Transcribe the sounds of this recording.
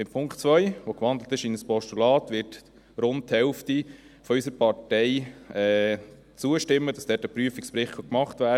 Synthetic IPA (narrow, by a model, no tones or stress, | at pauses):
ɪmpʰʊŋktt͡sʋœʏʋokʋɑnd̪lət̪ɪʃinəspɔʃtulɑːtʋɪt | ɾʊntthɛlfti | fɔysəɾpɑɾtɛɪɛː | t͡suəʃtɪmːəd̥ɑsd̥ɛːtəpɾyəfikspɾɪχtʰɑkmɑχtʋæːə